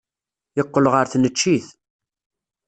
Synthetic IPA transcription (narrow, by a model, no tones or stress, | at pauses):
jəqːəlʁəɾθnət͡ʃːiθ